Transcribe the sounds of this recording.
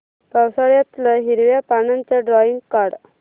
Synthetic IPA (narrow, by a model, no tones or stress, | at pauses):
pawsaɭjat̪ləɦiɾʋjapanant͡ɕaɖɾɔiŋɡkaɾɽ